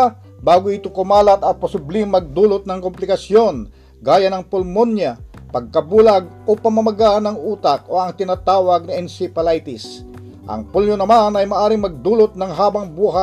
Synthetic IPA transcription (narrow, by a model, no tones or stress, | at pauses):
baːɡʊɪt̪okʊmaːlɐt̪ɐpɐsʊblimːɐɡ̚d̪uːlot̪̚nɐŋkomplɪkɐsjo̞n | ɡaːjɐnɐŋpʊlmonjapɐɡ̚kɐbulɐɡ̚ | opɐmɐmɐɡanɐŋuːt̪ak̚o̞ɐŋt̪ɪnaːt̪aːwɐɡ̚nɪʔɛnsɪpɐlajt̪ɪs | ʔɐ̰ŋpuljonɐmanɐjmɐʔaːɾɪŋmɐɡ̚d̪uːlot̪̚nɐŋɦaːbɐŋbuːɦa